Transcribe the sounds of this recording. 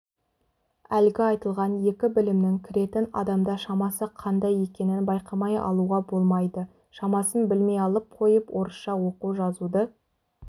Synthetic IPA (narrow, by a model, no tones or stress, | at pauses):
ælɡʲɪɑjt̪əlˠʁɑnje̞kʲɪbɪlɪmnɪŋkʲʰɪɾe̞t̪ɪnɑ̰d̪ɑmd̪ɑʃɑmɑsəqʰɑnd̪ɑje̞kʲe̞nɪnbɑjqɑmɑjɑ̰lˠuʁɑbo̞lˠmɑjd̪ə | ʃɑmɑsənbɪlme̞jɑlˠəp̚qʰo̞jəpwʔo̞ɾəsʃɑwo̞quʒɑzud̪ə